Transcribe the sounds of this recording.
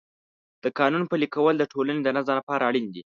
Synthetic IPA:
d̪̥əkɑnunpəlikawəld̪əʈʰolaned̪ənazalapɑɾaːɽind̪i

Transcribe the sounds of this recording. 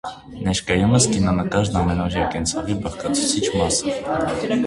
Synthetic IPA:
nɛʃkɑjuməskinɑnəkɑɾnɑmɛnɔɾjɑkɛnt͡sʰɑvibəʁkɑt͡sʰu̥t͡sʰit͡ʃʰmɑsə

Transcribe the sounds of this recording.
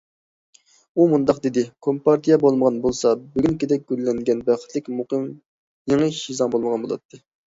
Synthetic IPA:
umund̪ɑqd̪ɪd̪ɪkʰompɑɾt̪ʰijɛbolˠməʁɑnbolˠsɑbyɡʲynkʲed̪ɛk̚ʲɡ̥ʲylːɛŋɡʲɛnbæχə̥t̪ʰlɪkʲmuqɨm | jeŋəʃizɑŋbolˠməʁɑnbolˠɑ̰t̪ʰːɨ

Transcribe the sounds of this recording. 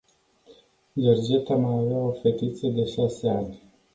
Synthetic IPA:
d͡ʒerd͡ʒet̪amajaveao̞fe̞t̪it̪səd̪e̞ʃaseanʲ

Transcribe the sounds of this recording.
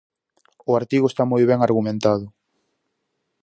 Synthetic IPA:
ʊaɾt̪iɣʊest̪amojβɛŋaɾɣumẽnt̪að̞ʊ

